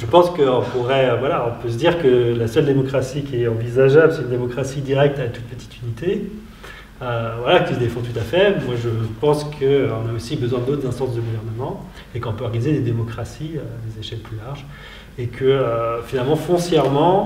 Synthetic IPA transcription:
ʒəpɑ̃skəɔ̃puʁɛøvwalaɔ̃pøs̬əd̪iʁkəlasœld̪emɔkχasikʲiɛɑ̃vizaʒabləsɛt̪ynd̪emɔkχasid̪iʁɛk̚t̪at̪u̥t̪̚pət̪i̥t̪ynit̪e | øvwalakəsd̪efɔ̃t̪ut̪afɛbmwaʒəpɑ̃skʰəɔ̃naosibəzwɛ̃d̪ot̪χd̪ɛ̃st̪ɑ̃sd̪əɡuvɛʁnəmɑ̃ | ekɔ̃pøɔʁɡanized̪ed̪emɔkχasiød̪ezeʃɛlplylaʁʒ | ekʰəøfinalmɑ̃fɔ̃sjɛʁmɑ̃

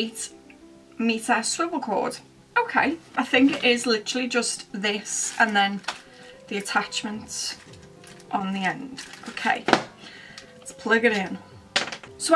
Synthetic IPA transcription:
t | mitʰəstɹ̥ʌblˠkʰɔ̰ːd̥ | oʊkʰeɪʔaɪθɪ̃ŋkɪʔɪzlɪtəɹəl̩ˠid͡ʒəstðɪsə̃nðə̃n | ðiətʰat͡ʃmə̃nt | ʔə̃n̩ðiɛ̃nd̥oʊkʰeɪ | ɪspʰl̥ʌɡəɾɪ̃n | so

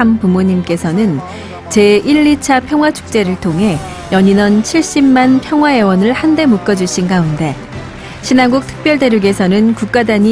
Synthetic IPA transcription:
ampumuɲimk͈e̞sʰʌnɯn | t͡ɕe̞ʔiʎːit͡ɕʰapʰjʌŋɦwat͡ɕʰu̥k̚t͡ɕ͈e̞ɾɯɭtʰoŋɦe̞ | jʌɲinʌnt͡ɕʰiɭɕ͈immanpʰjʌŋɦwae̞wʌnɯɭhande̞muk͈ʌd͡ʑuɕ͈ʰinɡaunde̞ | ɕʰinanɡuk̚tʰɯ̥k̚p͈jʌɭde̞ɾjuɡe̞sʰʌnɯnkuk̚k͈adaɲi

